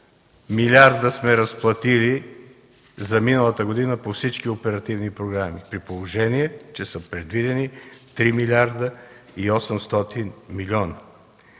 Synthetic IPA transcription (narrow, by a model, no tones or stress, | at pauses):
milʲaɾd̪əsmɛɾɐsplˠɐt̪ili | zɐminəlˠət̪əɡod̪inəpofsit͡ʃkiopɛɾɐt̪ivnipɾoɡɾamipɾipolˠoʒɛniɛt͡ʃɛsəpɾɛd̪vid̪ɛnit̪ɾimilʲaɾd̪əiɔsɛmst̪ɔt̪inmilʲɔnɐ